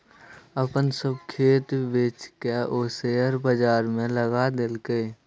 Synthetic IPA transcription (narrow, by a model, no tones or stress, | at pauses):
əpənsəbkʰeːt̪beːt͡ʃkeʔoːseəɾbəd͡ʒaːɾmẽləɡad̪ɪlkee